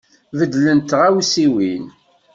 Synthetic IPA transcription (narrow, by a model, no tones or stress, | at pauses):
vəd̪lənt̪ʁæwisiwin